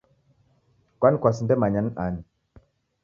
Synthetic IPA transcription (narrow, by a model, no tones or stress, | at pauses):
kwankʷasndemaɲanan